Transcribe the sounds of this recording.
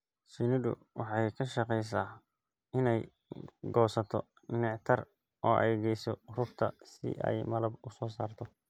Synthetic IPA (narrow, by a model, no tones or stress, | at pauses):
sɪnɪdʊ̰ | wɑħɑjkʰɐʃɑqɛjs̬aː | ɪnɛj | ɡɔːsɐt̪ʰɔ | nɪʕt̪ʰɐr | ʔɔːʔɛ̰jɡɛjsɔrʊbt̪ʰɐsɪ̰ʔɛ̰jmɐlɐbʊsɔːsa̰ːrt̪ʰɔ